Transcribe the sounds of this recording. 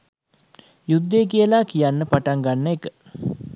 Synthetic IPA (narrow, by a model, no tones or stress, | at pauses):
jud̪ːek̬ijəlakijanːəpaʈaŋɡanːəekə